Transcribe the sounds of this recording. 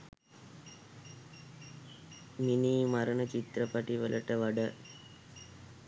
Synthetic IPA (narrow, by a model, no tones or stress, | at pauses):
minimɐɾɐɳɐt͡ʃit̪ɾɐpɐʈiʋɐlʔɐʈəʋɐɖɐ